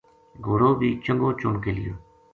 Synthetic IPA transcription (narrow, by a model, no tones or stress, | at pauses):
ɡʱoːɾoːbʱiːt͡ʃəŋɡoːt͡ʃʊɳkeːlɪjoː